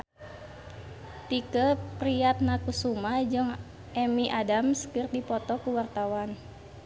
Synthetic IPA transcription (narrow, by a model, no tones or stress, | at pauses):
t̪ikəpɾiat̪̚nakusumad͡ʒɨŋ | ʔɛmiʔadamskɨrdipɔt̪ɔkuwart̪awan